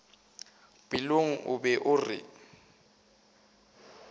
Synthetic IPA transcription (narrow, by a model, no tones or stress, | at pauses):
b̥iloŋ̩ʔʊbɛʔʊrɪ̰